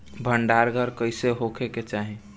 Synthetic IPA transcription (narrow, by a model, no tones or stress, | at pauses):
bʱəɳɖaɾɡʱəɾkəɪseɦokʰeket͡ʃaːɦẽ